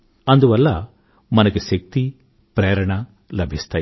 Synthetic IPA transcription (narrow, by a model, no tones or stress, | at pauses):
ɐnd̪uʋɐlːɐ | mɐnɐɡuʃɐk̚t̪i | pɾɛːɾɐɳɐ | lɐbʱist̪aː